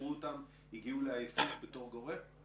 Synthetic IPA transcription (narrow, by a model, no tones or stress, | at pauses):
uotam | iɡiuleajefitbeto̞ʁɡo̞ʁe